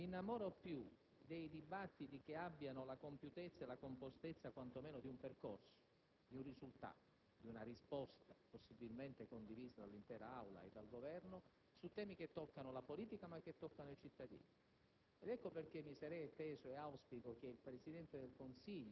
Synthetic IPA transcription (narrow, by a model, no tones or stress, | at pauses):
inːamɔɾopːju | d̪ejd̪ibat̪ːit̪ik̟eabːjanolakompjut̪et̪sːaelakompost̪et̪sːakwant̪omɛːnod̪iumperkorso̥ | d̪iunrizult̪a̰ːt̪o | d̪iunarispɔst̪aposːibilment̪ekond̪iviːzad̪alːint̪ɛːɾaawla̰ḛd̪alɡovɛrno | sut̪ːɛːmik̟et̪ːɔkːanolapoliːt̪ikamak̟ːet̪ːɔkːanoit͡ʃit̪ːad̪ḭːni | ed̪ɛkːoperk̟emːisaɾɛjt̪ːɛːzoeawspikok̟eilpɾesid̪ɛnt̪ed̪elkonsiʎːo